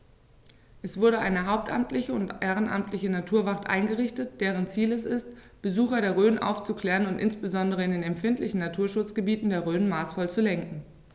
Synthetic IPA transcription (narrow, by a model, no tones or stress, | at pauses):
ʔɛsv̥ʊɐɾəʔaɪnəɦaʊp̚tʔa̰mtlɪçəʊntʔeːʁ̞ənʔa̰mtʰlɪçənatʰuːɐvaχtʔa̰ɪnɡəʁɪçtət̚d̥eːʁ̞ənt͡siːlɛsɪst | b̥əzuːxɐɾeːɐʁøːnʔa̰ʊft͡sukl̥ɛːʁənʊntʔɪnsb̥əzɔndəʁ̞əɪndeːnɛmfɪntlɪçn̩natʰuːɐʃʊt͡sɡ̥əbiːtn̩deːɐʁøːnmaːsfɔlt͡sulɛŋkŋ̩